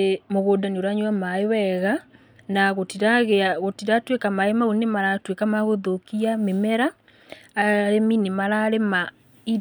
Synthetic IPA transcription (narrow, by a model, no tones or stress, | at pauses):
moɣoːdaneoɾaɲwamaewɛɣa | naɣotiɾaɣeaɣotiɾatwekamaemaunemaɾatwekamaɣoðokiamemɛɾaː | ɾeminemaɾaɾema | iɾ